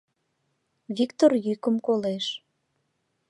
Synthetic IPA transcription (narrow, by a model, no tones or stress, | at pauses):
βikt̪orjykəmkoleʃ